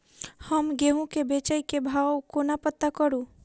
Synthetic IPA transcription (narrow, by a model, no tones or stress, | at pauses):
həmɡeɦũkebeːt͡ʃəikebʱaːkonapət̪ːakəɾũ